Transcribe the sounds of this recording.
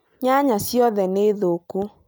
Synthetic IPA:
ɲaɲasjɔðɛneðoku

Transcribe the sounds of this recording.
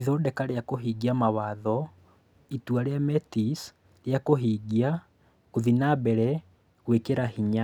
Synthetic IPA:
ðɔːdɛkaɾeakoɦiɡiamawaðɔ | itwaɾeamɛtis | ɾeakoɦiɡia | koðinabɛɾɛ | ɣwekeɾahiɲa

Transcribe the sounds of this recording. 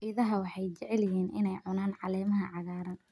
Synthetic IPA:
iðɐɦɐwɑħɑjt͡ʃɛʕɛlɪjiːnʔɪ̰nɛjʕʊnaːnʕɑlɛːmɐɦɐʕɑɣaːɾɐn

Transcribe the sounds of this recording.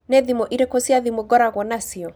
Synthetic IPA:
nɛðimoʔiɾekosiaðimoɡɔɾaɣɔnasiɔ

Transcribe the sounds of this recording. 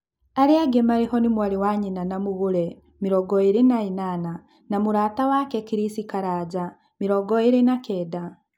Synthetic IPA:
aɾiaɡemaɾihɔnimwaɾiwaɲinanamuɣuɾɛ | miɾɔɡɔiɾinainana | namuɾaːtawakɛkiɾisikaɾaːɟa | miɾɔɡɔiɾinakɛːda

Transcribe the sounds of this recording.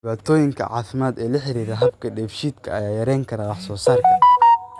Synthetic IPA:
ɪβaːt̪ʰɔːjɪŋkʰɐ̰ʕɑ̰ːfɪmaːd̪ɛːlɐħɪɾiːɾɐɦɐbkʰɐɖɛːfʃiːd̪kʰɐɐjaːjɐɾɛjŋkʰɐɾɐwɑħsɔːsɐr

